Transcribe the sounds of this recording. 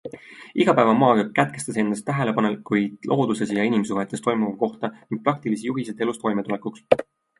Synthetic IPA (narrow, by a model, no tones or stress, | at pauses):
iɡ̥ɑpæevɑmɑːɡɑkæt̪̚ke̞st̪ɑse̞nːɑst̪ːæɦe̞le̞pɑnelkujd̥̪lʔo̞ːd̪use̞sjɑinimsuɦe̞t̪ːˑe̞st̪o̞jmuvɑko̞ht̪ɑniŋɡ̥̚pɾɑk̚t̪ilisijuɦiset̪e̞lust̪vo̞jmet̪ule̞kuks